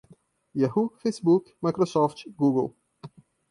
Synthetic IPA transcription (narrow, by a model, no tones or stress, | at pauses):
jɛɦufesbukmajkɾɔsɔft̪ɡuɡə̰lˠ